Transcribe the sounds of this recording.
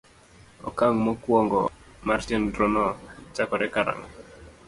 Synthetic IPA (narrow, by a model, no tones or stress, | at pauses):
ɔ̰kaŋmɔkwɔŋɡɔ̰ | martindɾɔnɔt͡ʃakɔɾɛkaɾa̰ŋ